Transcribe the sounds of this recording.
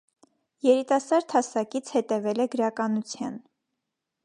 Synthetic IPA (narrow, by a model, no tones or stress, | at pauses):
jɛɾit̪ɑsɑɾt̪ʰɑsɑkit͡sʰhɛt̪ɛvɛlɛɡəɾɑkɑnut͡sʰjɑn